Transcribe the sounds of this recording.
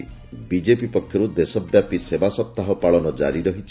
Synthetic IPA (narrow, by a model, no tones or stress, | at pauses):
bid͡ʒepipɔkʰjɔɾud̪esɔbjapisebasɔp̚t̪aɦɔpaɭɔnɔd͡ʒa̰ɾiɾɔɦit͡ʃʰ